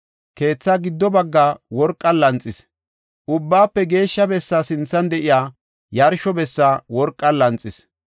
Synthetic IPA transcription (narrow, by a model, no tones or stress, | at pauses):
ke̞ːt͡sːaːɡɪd̪ːɔbɐɡːaːwɔɾkʼːɐlɐnt͡sʼːɪs | ʔʊbːaːpːɛɡe̞ːʃːɐbɛsːaːsɪnt͡sːɐnd̪ɛʔɪjaː | jɐɾʃɔbɛsːaːwɔɾkʼːɐlɐnt͡sʼːɪs